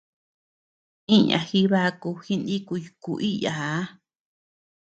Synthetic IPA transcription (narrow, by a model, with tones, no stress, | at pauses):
ĩ˦ɲã̰˨xi˧˦βa˦˧ku˧xi˦nd̪i˦ku˧ju˧ku˧ʔi˦ja˨a˨˦